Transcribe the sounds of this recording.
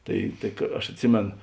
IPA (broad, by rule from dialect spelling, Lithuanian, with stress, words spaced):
ˈtɐɪ tɐɪ kɐ ɐʃ ɐtʲˈsʲɪmʲeːn